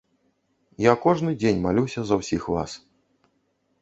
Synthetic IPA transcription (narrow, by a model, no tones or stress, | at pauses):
jakɔʐnɨd͡zʲenʲmalʲuwsʲɐzɐwsʲixva̰s